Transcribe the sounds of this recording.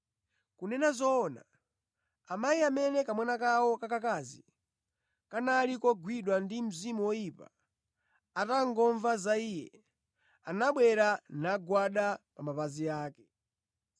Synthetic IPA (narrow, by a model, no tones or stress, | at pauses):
kunɛnazɔːna̰ | amajiamɛnɛkamwɛnakawɔkakakazi | kanalikɔɡwiɗwandim̩zimuwɔjipa̰ | ataŋɡɔɱvazaiːjɛ̰ | anaɓwɛɾanaɡwaɗapamapazijaːkɛ̥